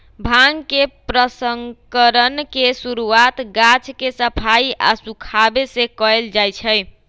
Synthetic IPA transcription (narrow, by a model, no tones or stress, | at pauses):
bʱaŋkepɾəsəŋkəɾənkesuɾuat̪ɡat͡ʃkesəpʰaiʔa̰sukʰabesekɔeld͡ʒajt͡ʃʰəj